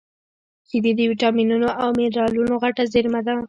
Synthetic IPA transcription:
kɪd̪id̪əwiʈɑminunoʔawmɪɾɑlunoɣaʈazɪɾmad̪a

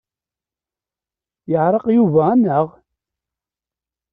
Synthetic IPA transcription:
jəʕɾˤɑqjuvæænːəʁ

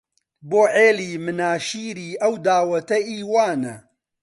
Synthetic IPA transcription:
boːʕeːliːmɨnaːʃiːɾiːʔɐwd̪aːwɐt̪ɐʔiːwaːnɐ

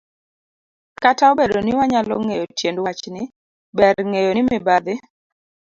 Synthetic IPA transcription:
kataobedonɪwaɲalɔ̰ŋejotjendwat͡ʃnɪ | bɛɾŋejonɪmɪbad̪ɪ

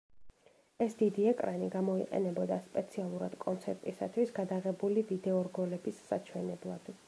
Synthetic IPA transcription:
ɛsd̪id̪iɛkʼɾaniɡamɔiqʼɛ̰nɛbɔd̪aspʼɛt̪sʰialˠuɾad̪̥kʼɔnt̪sʰɛɾt̪ʼisa̰t̪ʰwisɡad̪aʁɛbulivid̪ɛɔɾɡɔlɛbisːa̰t͡ʃʰwɛnɛblˠa̰d̪̥

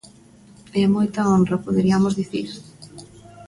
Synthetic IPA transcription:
ɛmojt̪aondrɐpoðeɾiamozðiθiɾ

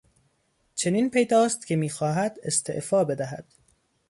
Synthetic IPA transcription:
t͡ʃʰe̞niːnpʰe̞jd̪ɒːst̪cʲʰe̞miːxɒːɦæd̪e̞st̪ʰe̞̰ʔfɒːbe̞d̪æɦæ̰d̪̥

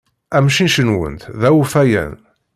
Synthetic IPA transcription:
æmʃinʃənwə̰nt̪ðæwufæjæ̰n

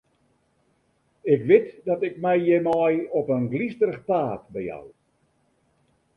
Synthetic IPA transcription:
ɪkʋɪtdɔtɪkmɛjjɛmɔjɔpənɡlistəɾəxpaːtbəja̰w

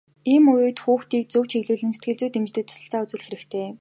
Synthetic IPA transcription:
iːmʊjʊːt̪xuːxt̪iːk̚t͡sɵwt͡ɕeɣɮuːɮɘ̆nset̪̚ɡɘ̆ɮt͡suːt̪emt͡ɕt̪eːt̪ʰʊ̥sə̆ɬt͡saːʊt͡sɘ̆ɮxeɾɘ̆kt̪ʰeː

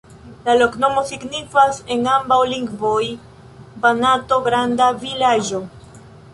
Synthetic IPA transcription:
lalo̞kno̞mo̞siɡnifase̞ŋambawliŋɡvoj | banato̞ɡɾandavilaʒo̞

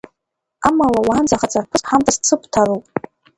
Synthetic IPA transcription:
amalawaːnd͡zaχat͡sʼarpʰɨsħamtʰast͡sʰɨp̚ʰʼtʰaɾuwpʼ

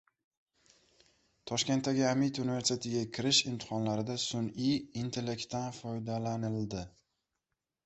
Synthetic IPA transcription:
t̪ʰɒʃkʲe̞nt̪ːaɡʲɪamit̪ʰunive̞ɾst̪ʰe̞t̪ɪɡʲakʲʰɪɾɪʃɪmt̪ʰɪ̥qɒnlaɾɪd̪asʊniːnt̪ʰe̞le̞k̚ʲt̪ʰːanfɒjd̪alanɪld̪ɪ

